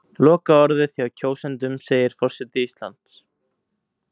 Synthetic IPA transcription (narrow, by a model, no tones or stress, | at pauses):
lɔːkaɔɾðɪθjaːwcʰoːwsɛnt̪ʏmseːjɪɾ̥fɔr̥sɛt̪ɪist̪la̰nt̪s